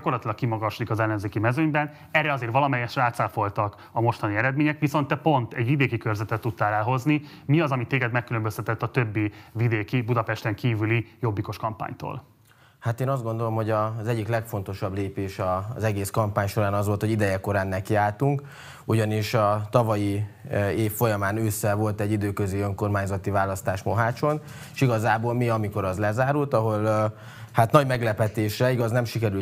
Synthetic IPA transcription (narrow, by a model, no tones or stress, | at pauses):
ko̞rlɒt̪ilɒk̚kimɒɡɒʃlikɒzɛlːɛnzeːkimɛzøɲbɛn | ɛrːɛɒzeːrvɒlɒmɛjɛʃraːt̪saːfo̞lt̪ɒk | ɒmo̞ʃt̪ɒniɛɾɛd̪meːɲɛkʋiso̞nt̪ːɛpo̞nt̪ɛ̰ɟʋid̪eːkikørzɛt̪ɛt̪ːut̪ːaːlɛlɦo̞zni | miɒzɒmit̪ːeːɡɛd̪mɛkːylø̞mbøst̪ɛt̪ɛt̪ːɒt̪ø̞bːivid̪eːkibud̪ɒpɛʃt̪ɛŋkiːvylijo̞bːiko̞ʃkɒmpa̰ːɲt̪o̰ːl | hat̪eːnɒzd̪ɡo̞nd̪o̞lo̞mɦo̞ɟɒzɛɟːiklɛkfo̞nt̪o̞ʃɒbleːpeːʃɒzɛɡeːskɒmpaːɲʃo̞ɾaːnɒzʋo̞lt̪hoɟid̪ɛjɛko̞ɾaːnːɛkiaːlt̪uŋk | uɟɒniʃɒt̪ɒvɒji | eːfːo̞jɒmaːnøːsːɛvo̞lt̪ɛɟːid̪øːkøziøŋko̞rmaːɲzɒt̪ivaːlːɒst̪aːʃmo̞ɦaːt͡ʃo̞n | ʃiɡɒzaːboːlmiɒmiko̞ɾɒzlɛzaːɾult̪ɒɦo̞l | hat̪nɒɟmɛɡlɛpɛt̪eːʃrɛiɡɒznɛmʃikɛɾy